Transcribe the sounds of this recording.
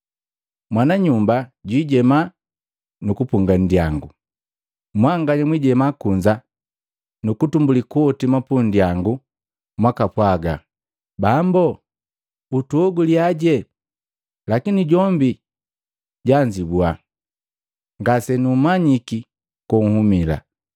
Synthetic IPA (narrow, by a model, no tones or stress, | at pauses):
mwanaɲumbaɟwiɟɛma | nukupuŋɡan̩djaŋɡu | mwaŋɡaɲamwiɟɛmakuɲd͡ʒa | nukutumbulikuɔtimapundijaŋɡu | mwakapwaɡa̰ | bambɔ | utuɔɡuliaɟɛ | lakiniɟɔmbi | ɟaɲd͡ʒibwa | ŋɡasɛnumaɲiki | kɔŋ̩humila̰